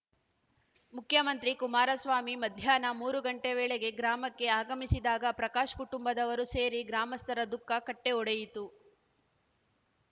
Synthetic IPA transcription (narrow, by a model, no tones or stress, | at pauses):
mukʰjɐmɐnt̪ɾikumaːɾɐsʋaːmimɐd̪ʱjaːnɐmuːɾuɡɐɳʈeʋɛːɭeɡe̞ɡɾaːmɐkːe̞aːɡɐmisid̪aːɡɐpɾɐkaːʃɐ̥kuʈumbɐd̪ɐʋɐɾuse̞ːɾiɡɾaːmɐst̪ɐɾɐd̪ukːɐkɐʈːeɔɽejit̪u